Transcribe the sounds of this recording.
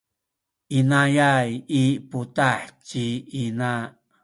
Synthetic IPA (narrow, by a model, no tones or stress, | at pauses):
ʔinajajiputaħt͡ɕiina